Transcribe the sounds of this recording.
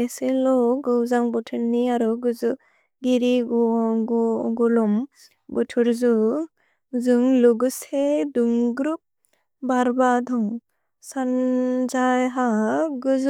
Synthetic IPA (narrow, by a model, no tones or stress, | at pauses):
eselɔɡɯwzaŋbɔtʰɯɾniaɾɯɡɯzɯ | ɡiɾiɡɡɡulɔm | bɔtʰuɾzu | zɯŋluɡɯseduŋɡɾup̚ | baɾbad̪ʱɔŋ | sand͡ʒajɦaɡɯz